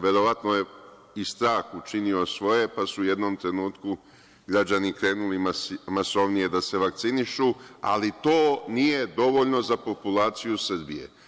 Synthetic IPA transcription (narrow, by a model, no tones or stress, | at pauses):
ʋe̞ɾo̞ʋat̪noje | ist̪ɾaːxut͡ʃinio̞sʋo̞je̞pasuːje̞d̪no̞mt̪ɾe̞nuːt̪ku | ɡɾad͡ʑanikɾe̞ːnulimaso̞ʋnije̞d̪ase̞ʋak̚t̪siniʃua̰lit̪o̞ːnije̞d̪o̞ʋo̞ʎno̞zapo̞pulaːt̪sijus̩bije̞̰